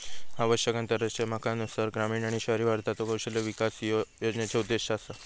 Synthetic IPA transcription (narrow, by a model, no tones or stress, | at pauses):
aʋəɕjəkãnt̪əɾət͡ɕemakanusaɾɡɾamiːnaɽ̃iɕəɾiʋaɾt̪at̪okəwɕeləʋikasjjod͡ʑnjat͡ɕaud̪ːeɕasa